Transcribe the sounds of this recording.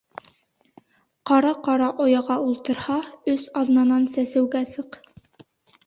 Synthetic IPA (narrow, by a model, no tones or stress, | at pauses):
qɑɾɑqɑɾɑʔojɑʁɑulˠt̪ɤ̆ɾhɑɵsɑðnɑnɑnsæsɘ̆wɡæsɤq